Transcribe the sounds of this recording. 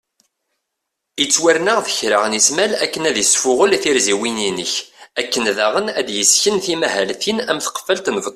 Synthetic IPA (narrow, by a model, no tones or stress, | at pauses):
it͡sːwæɾnəʁθə̥çɾaʁənismælækːənæðjəsfʊʁəlθiɾziwininəçækːənðæʁənæd̪jəsçənθimæhælθinæmθə̥qə̥fælt̪nv